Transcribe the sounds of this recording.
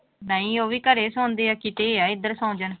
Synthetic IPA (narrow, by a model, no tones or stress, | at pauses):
naːĩːoːʋiːkəɾeːsɔ̃ːnd̪eːaːkɪt̪eːaːɪd̪əɾsãːd͡ʒən